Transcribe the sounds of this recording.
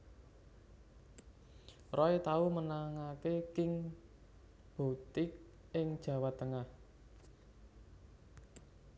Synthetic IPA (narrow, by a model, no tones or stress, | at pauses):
rɔet̪aumənaŋakekɪŋ | b̥o̤t̪ɪk̚ | ɪŋd̥ʒ̥ä̤wat̪əŋah